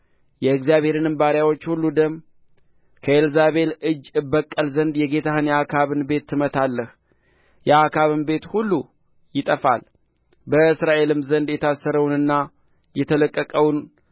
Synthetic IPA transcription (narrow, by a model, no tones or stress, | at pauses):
jɛɨkzjaβhe̞ɾɨnɨmbaɾjawo̞t͡ʃːhulːud̪əmː | kʰəelzaβe̞lɨd͡ʒːɨbːəkʼːəlzənd̪jɛɡe̞t̪ʰahɨnjakʰaβɨnbe̞t̪ːɨmət̪ʰalːəh | jɛakʰaβɨnbe̞t̪hulːu | jɪt̪ʼəfa̰l | bəɨsɾaʔe̞lɨmzənd̪jɛt̪ʰasːəɾəwnɨnːa | jɛt̪ʰələkʼːəkʼəwn